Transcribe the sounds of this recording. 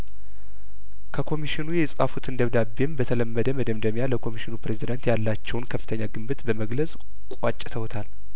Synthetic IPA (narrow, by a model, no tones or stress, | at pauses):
kʰəkʰo̞miʃɪnujɛsʼafut̪ʰɨnd̪əβd̪abːembət̪ʰələmːəd̪əməd̪əmd̪əmjaləkʰo̞miʃɪnupɾe̞zid̪ant̪jalːat͡ʃːɛwnkʰəfːɨt̪ʰəɲːaɡɨmbɨt̪bəməɡləsʼ | kʷʼat͡ʃʼːɪt̪ʰəwt̪ʰal